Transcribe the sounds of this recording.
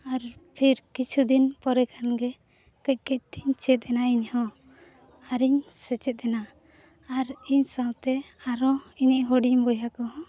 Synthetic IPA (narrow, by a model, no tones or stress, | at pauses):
aɾpʰiɾkit͡ʃʰud̪inpɔɾɛkʰanɡɛ | kəc̚ˀkəc̚t̪iɲt͡ʃɛt̪̚ˀɛnaiɲhɔ̃ | aɾiɲsɛt͡ʃɛt̪̚ˀɛna | aɾiɲsawt̪ɛ | aɾɔiɲiʔɦɔɖimbɔjakɔɦɔ̃